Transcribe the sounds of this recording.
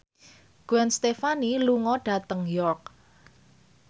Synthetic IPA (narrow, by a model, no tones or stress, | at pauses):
ɡ̥wɛnst̪efaniluŋɔɖ̥ä̤t̪əŋjɔrk̚